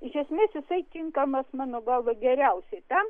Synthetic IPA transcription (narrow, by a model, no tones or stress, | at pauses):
ɪʃʲɛsʲmʲeːsjɪsɐɪt̪ʲɪŋkɐmɐsmɑːnoːɡɐlˠʋɐɡʲɛɾʲɛʊsʲɛɪt̪ɐm